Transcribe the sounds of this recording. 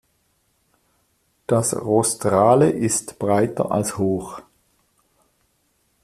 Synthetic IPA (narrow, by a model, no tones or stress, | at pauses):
d̥asʁostʁaːləʔɪstb̥ʁaɪtə̰ʔa̰lshoːχ